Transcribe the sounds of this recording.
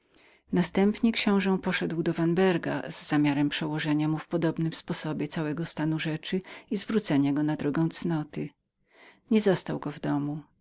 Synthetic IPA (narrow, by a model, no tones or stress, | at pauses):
nast̪ɛmpɲɛkɕɔ̃w̃ʐɛ̃pɔʂɛd̪wd̪ɔvanbɛɾɡa̰zːamʲjaɾɛmpʂɛwɔʐɛɲamufpɔd̪ɔbnɘmspɔsɔbʲjɛt̪sawɛɡɔst̪anuʐɛt͡ʂɘizvɾut̪sɛɲaɡɔnad̪ɾɔɡɛ̃w̃t̪snɔt̪ɘ | ɲɛzɔst̪awɡɔvd̪ɔmu